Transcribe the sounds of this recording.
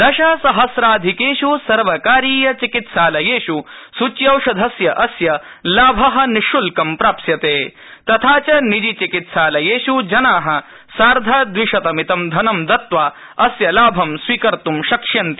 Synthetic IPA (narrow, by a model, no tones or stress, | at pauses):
d̪ɐʃaːsɐɦɐsɾaːd̪ʱikeːʃusɐɾʋɐkaːɾiːjɐt͡ʃikit̪saːlɐjeːʃusut͡ʃjɐwʂɐd̪ʱɐsjɐʔɐsjɐ | laːbʱɐɦɐ̆niʃulkɐmpɾaːpsjɐt̪eː | t̪ɐt̪ʰaːt͡ʃɐnid͡ʒit͡ʃikit̪saːlɐjeːʃud͡ʒɐnaːɦɐ̆ | saːɾd̪ʱaːd̪ʋiʂɐt̪ɐmit̪ɐmd̪ʱɐnɐmd̪ɐt̪ʋaː | ɐsjɐlaːbʱɐmsʋiːkɐɾt̪umʃɐkʂjɐnt̪i̥